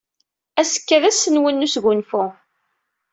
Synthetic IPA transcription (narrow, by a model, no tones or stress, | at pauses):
æsə̥kːæðæsːənwənːusɡʷʊnfʊ